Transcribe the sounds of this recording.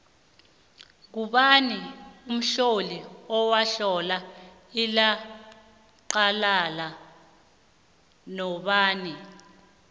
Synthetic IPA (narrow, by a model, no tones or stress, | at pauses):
k̬uɓanium̩ɬoliɔwaɬɔla | ila | ǃalala | nɔɓaːni